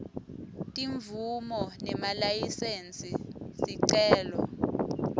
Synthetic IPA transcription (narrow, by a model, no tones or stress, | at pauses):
tʼiɱvʱumɔnɛmalajisent͡sʼisiǀɛːlɔ